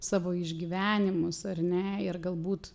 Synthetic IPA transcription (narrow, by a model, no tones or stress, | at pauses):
sɑːʋoːɪʒʲɡʲiːʋʲæːnʲɪmʊsɐrnʲɛɪrɡɐlˠbuːt̪